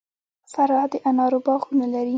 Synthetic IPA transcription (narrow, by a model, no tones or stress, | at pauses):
faɾɑd̪əʔanɑɾobɑxunalaɾi